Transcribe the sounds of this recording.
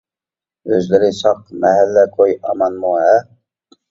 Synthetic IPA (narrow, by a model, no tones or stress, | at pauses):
øzlɪɾɪsɑqmɛɦælːɛkʰojɑmɑnmuhɛ